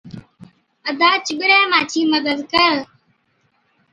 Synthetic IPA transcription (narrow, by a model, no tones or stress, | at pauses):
əd̪aːt͡ʃɪɓɪɾɛ̃ːmaːt͡ʃʰiːməd̪əd̪kəɾ